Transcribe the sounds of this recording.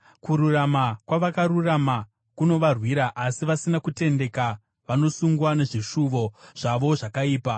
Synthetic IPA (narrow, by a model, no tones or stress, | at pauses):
kuɾuramakwaʋakaɾurama | kuno̞ʋarwiɾaʔasiʋasinakute̞nde̞ka | ʋano̞suŋɡwane̞ʐiʂuʋo̞ʐ̥aʋo̞ʐakaiːpa